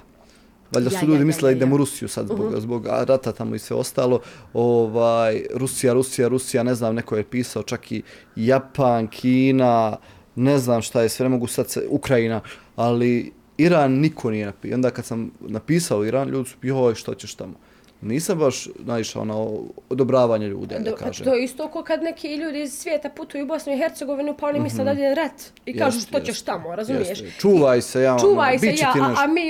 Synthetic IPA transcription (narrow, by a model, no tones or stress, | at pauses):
ʋaʎʲd̪asuʎuːd̪imisled̪aid̪eːmuɾusijusad̪zboɡzbo̞ɡa̰ɾat̪at̪amoisʋeost̪aːlˠo̞oʋaːjɾusijaɾusijaɾusijane̞znaːmnekojepiːsaot͡ʃakʰi | japankʰiːna | ne̞znaːmʃt̪ajesʋenemo̞ɡusad̪sukɾainaali | iɾaːnːikʰo̞nije̞napio̞nd̪aːkad̪samnapiːsaoiɾaːnʎʔuːd̪isu̥piʃt̪ot͡ɕeʃt̪amo | niːsambaʃnaiʃa̰o̰naood̪obɾaːʋaːɲaʎṵːd̪ḭkaːʒḛːt̪ojeist̪oːkokad̪nekʰiʎuːd̪iːzsʋjeːt̪aput̪ujuːbosnuiɦeɾt̪seɡo̞ʋinupaonimisled̪ad̪eɾat̪ | ikaːʒuːʃt̪ot͡ɕeʃt̪amoɾazumijeʃt͡ʃuːʋajsejaːt͡ʃuːʋaːjsbit͡ɕeaːineamiː